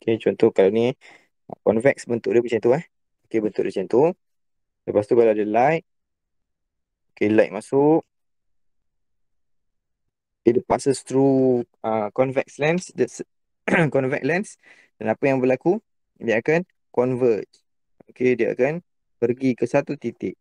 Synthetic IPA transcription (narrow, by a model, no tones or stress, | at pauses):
oket͡ʃɔnt̪ɔkalani | ə̰kɔnvɛk̚sbənt̪ʊʔ̚dəət͡ʃɛnt̪uah | okebənt̪ʊ̰ʔ̚dat͡ʃɛnt̪o | ləpast̪ukalaadəlajʔ̚ | okelajʔ̚masʊʔ̚ | okedəpasəst̪ɾuəkɔnvɛk̚slɛnsdəs | kɔnvɛ̰k̚lɛns | d̥anapəjaŋbəlaku | diəakan | kɔnvət̪̚ | okediəa̰kan | pərɡikəsat̪ut̪it̪ɪʔ̚